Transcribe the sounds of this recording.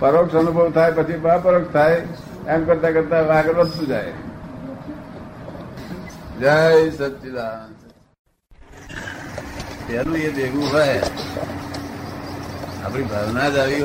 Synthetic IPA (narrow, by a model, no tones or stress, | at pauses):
pəɾoksənubʱəʋt̪ʰaːepət͡ʃʰibapəɾokt̪ʰae | emkəɾt̪akəɾt̪aʋakəɾʋəd̪t̪ũd͡ʒaːḛ | d͡ʒaesət̪ʃid̪as | t̪alũːed̪eɡũɦoje | a̰ːpɽibʱaʋnad͡ʒaʋiɦ